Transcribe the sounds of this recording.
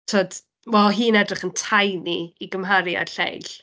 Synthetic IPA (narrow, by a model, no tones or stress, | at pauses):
tʰoːd̥ | wɛlˠɦiːnɛdrɪχəntʰajniːɡəmɦaɾja̰ɬḛjɬ